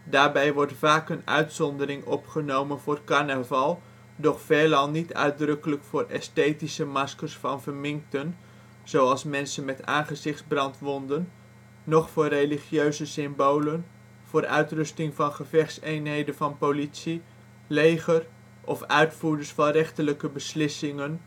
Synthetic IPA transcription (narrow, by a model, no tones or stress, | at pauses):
daːɹbɛjʋɔɹtfaːkənœ̰ɥtsɔndəɾɪŋɔpχənowmənvʊːrkɑɹnəvɑlˠ | dɔχfeːlɑlˠnitœ̰ɥdrɵkələkfʊːrɛstejtisəmɑskəɹsfɑnvəɹmɪŋk̚tən | z̥owɑlˠsmɛnsənmɛta̰ːnχəzɪχdzbrɑntʋɔndənː | ɔχfʊːrejliχjøɥzəsɪmbowlən | v̥ʊːɾʔœ̰ɥtrɵstɪŋvɑnχəvɛχtsejnɦejdəvɑnpowlitsi | lejχər | ʔɔfœɥtfuːɹdəsfɑnrɛχtələkəbəslɪsɪŋən